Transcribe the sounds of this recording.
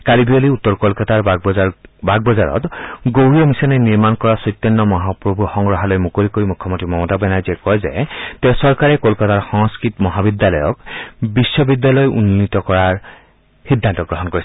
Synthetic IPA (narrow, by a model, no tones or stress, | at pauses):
kalibioliutːɔɹkɔlkataɹ | bʱaɡ̚bɔzaɹɔ̰tɡowɹijɔmisananiɹmankɔɹasɔjt̪ːɔnːɔmɔɦapɹobʱuxɔŋɡɹɔɦalojmukolikoɹimukʰːɔmontɹimɔmɔtabɛnaɹziɛkɔjzɛ̰tɛʊsɔɹkaɹɛkolkataɹxɔŋskɹitmɔɦabidːalɔjɔ̰kbisːɔbidjalɔjʔṵnːitɔkɔɹaɹ | xidʱːantɔɡɹɔɦɔnkoɹis